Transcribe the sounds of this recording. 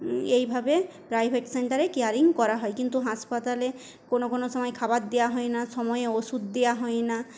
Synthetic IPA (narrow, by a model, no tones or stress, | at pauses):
ejbʱabepɾajbʱeʈseɳʈaɾekeaɾiŋkɔɾaɦɔekint̪uɦaspat̪ale | konokonosɔmɔjkʰabat̪̚d̪ejaɦɔenasɔmɔjeosud̪d̪ejaɦɔena